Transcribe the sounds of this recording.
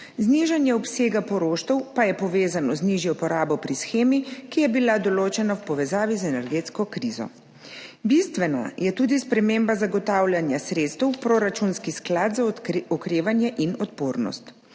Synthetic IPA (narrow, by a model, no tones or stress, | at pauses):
zniʒanjɛɔpseːɡapɔɾoːʃt̪ɛwpajɛpɔʋeːzanɔzniʒjɔpɔɾaːbɔpɾisxeːmikijɛbilad̪ɔloːt͡ʃɛnawpɔʋɛzaːʋizɛnɛɾɡeːt̪skɔkɾiːzɔ̰ | bist̪ʋɛna̰jɛt̪uːd̪ispɾɛmeːmbazaɡɔt̪aːwlʲjanjasɾeːt̪st̪ɛwpɾoːɾat͡ʃunskisklad̪zaɔkɾeːʋanjɛʔinɔt̪poːɾnɔ̰st̪